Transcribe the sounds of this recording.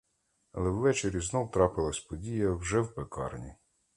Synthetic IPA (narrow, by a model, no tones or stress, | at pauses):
ɐ̰lˠɛwʋɛt͡ʃeɾʲiznɔwt̪ɾɑpɪlˠɐsʲpɔdʲijɐwʒɛwpekɑ̰rnʲḭ